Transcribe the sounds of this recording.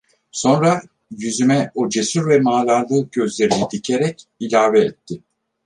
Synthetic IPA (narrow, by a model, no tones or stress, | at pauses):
so̞nɾa | jyzymɛod͡ʒe̞syɾvɛmaːlˠaɾlˠɯɟø̞zlʲe̞ɾinid̪icʰe̞ɾɛcilʲaːvɛːt̪ʰːɪ